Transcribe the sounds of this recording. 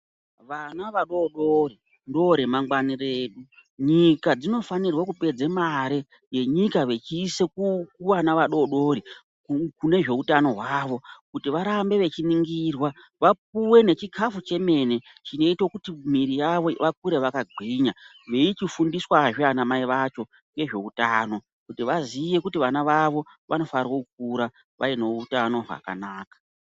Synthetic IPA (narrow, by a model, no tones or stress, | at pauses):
ʋanaʋaɗo̞ɗori | ndo̞ɾe̞maŋɡwanire̞ːɗuɲikad͡zino̞fanirwakupe̞d͡zemaɾi | je̞ɲikaʋe̞t͡ʃiːse̞kukuʋanaʋaɗo̞ɗo̞ɾi | kkune̞ʐe̞utano̞ɦwaːʋo̞kutiʋaɾambe̞ʋe̞t͡ʃiniŋɡirwa | ʋap̚uwe̞ne̞t͡ʃikʰafut͡ʃe̞me̞ne̞ | t͡ʃino̞itwokutimiɾijaʋo̞ʋak̚uɾe̞ʋakaɡʱiɲa | ʋe̞it͡ʃifundiswaʐianamaiʋat͡ʃo̞ | ŋɡe̞ʐe̞utaːno̞ | kutiʋaziʋe̞kutiʋanaʋaʋo̞ | ʋʔano̞farwokuk̚uɾa | ʋʔa̰ino̞utano̞ɦa̰ka̰naːkḁ